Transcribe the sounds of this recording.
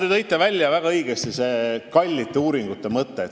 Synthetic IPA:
t̪et̪ɤjt̪ːˑɑvælʲːjɑvæɡ̥ɑɤjɡ̥est̪iseːkɑlʲːit̪ːuːɾiŋɡ̥ut̪ːemɤt̪ːe

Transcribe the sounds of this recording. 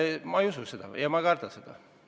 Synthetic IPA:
mɑejususe̞d̪̥ɑ̰jɑmɑkɑrt̪ɑsed̪̥ɑ̰

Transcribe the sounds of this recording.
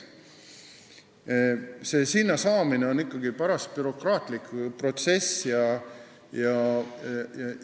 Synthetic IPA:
se̞ːsinːɑsɑːmineo̞nikːɑɡipæɾɑst̪̚pyɾo̞krɑːt̪ˑlikpro̞t̪se̞sjɑ | jɑ | jɑ

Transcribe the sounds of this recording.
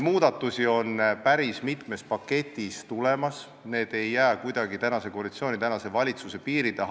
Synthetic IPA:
muːd̪̥ɑt̪ːˑusio̞npæɾismit̪me̞s̚pɑkːe̞t̪ʲːˑist̪ule̞mɑs | ne̞ːd̪̥e̞jːæːkujd̪ɑɡit̪ænɑse̞ko̞ɑlit̪sio̞ːnʲit̪ænɑse̞vɑlʲit̪suse̞piːɾid̪̥eɦ

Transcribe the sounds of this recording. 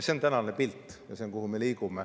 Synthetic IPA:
seo̞nt̪ænɑnepilt̪ːjɑseoŋkuhume̞liːkume

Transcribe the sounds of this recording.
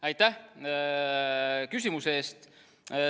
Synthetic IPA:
ɑjt̪ˑːæh | kys̬ʲimuseeːst̪

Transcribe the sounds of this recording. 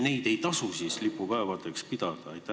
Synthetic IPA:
ne̞jd̪̥e̞jt̪ɑsusiːslipːupɑevɑd̪e̞kspid̪̥ɑd̪̥ɑɑjt̪ːˑæ

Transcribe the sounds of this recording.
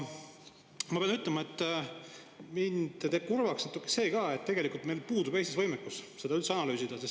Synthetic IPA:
mɑpeɑnyt̪lemɑe̞t̪ː | mind̪̥t̪eːb̥̚kurvɑksnɑt̪ːˑukːˑese̞ːkɑːe̞t̪ːe̞ɡe̞likult̪me̞jlpuːd̪ub̥e̞st̪isvɤjmekːusse̞d̪ɑylt̪se̞ɑnɑlyːsid̪̥ɑses

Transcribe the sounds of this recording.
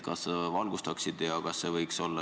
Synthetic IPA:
kɑsvɑlɡ̥ust̪ɑksid̪ejɑkɑsːevɤjkso̞lːɑ

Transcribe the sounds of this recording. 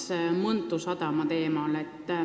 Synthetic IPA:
smɤnt̪ːˑusɑd̪̥ɑmɑt̪e̞ːmɑle̞t̪ːˑ

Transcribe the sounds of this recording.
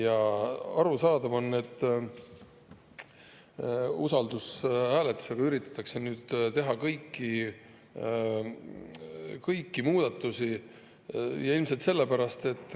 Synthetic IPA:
jɑɑɾusɑːd̪̥ɑvo̞nːe̞t̪ː | usɑld̪ushæːlet̪ːˑu̥se̞ɡ̥ɑyɾit̪ˑːɑ̥t̪ːˑɑkse̞nyːd̪̥t̪e̞ɦɑkɤjkːi | kɤjkːimuːd̪̥ɑt̪ːˑusi | jɑilmset̪se̞lːepæɾɑst̪e̞t̪ːˑ

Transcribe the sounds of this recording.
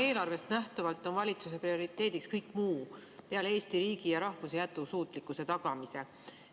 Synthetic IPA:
e̞ːlɑrve̞st̪næht̪ɑvɑlt̪ːˑo̞nvɑlʲit̪suse̞prio̞ɾit̪ˑːe̞ːd̪̥ikskɤjkːˑmuːpeɑleeːst̪iɾiːɡijɑɾɑhvuse̞jæt̪ːˑusuːt̪ˑlikːˑuse̞t̪ɑɡ̥ɑmise̞

